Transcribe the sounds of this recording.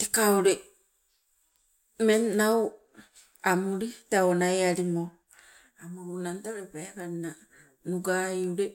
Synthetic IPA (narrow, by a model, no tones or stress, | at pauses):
tekaoɾe | menːaw | amuɾitaonaeaɾimo | amuunantaɾepaakaɾina | nuɡajuɾe